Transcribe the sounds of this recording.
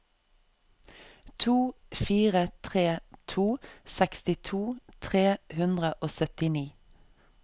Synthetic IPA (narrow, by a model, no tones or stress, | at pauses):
t̪ʰuː | fiːʁət̪ʰʁeːt̪ʰuːsɛkst̪ɪt̪ʰuːt̪ʰʁeːhʉnd̪ʁəʔoːsœt̪ɪniː